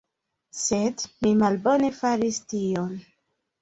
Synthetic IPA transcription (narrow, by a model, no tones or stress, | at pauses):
sedmimalbo̞ne̞faɾistion